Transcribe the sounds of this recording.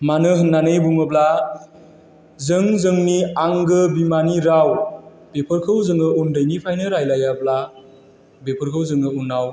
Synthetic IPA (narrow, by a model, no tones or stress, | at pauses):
manɯɦɯnːanɯjbuŋɯbla | zɯŋzɯŋniaŋɡɯbimaniɾaw | b̥epʰɯɾkʰɯwzɯŋɯundɯjnipʰajnɯɾajlajabla | bepʰɯɾkʰɯwzɯŋɯunːaw